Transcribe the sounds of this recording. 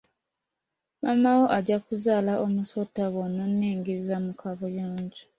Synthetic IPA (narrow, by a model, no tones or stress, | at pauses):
mamawo̞ʔaɟakuzaːlaʔomusotaβonːanːiːŋɡiizamukaβojoːɲɟi̥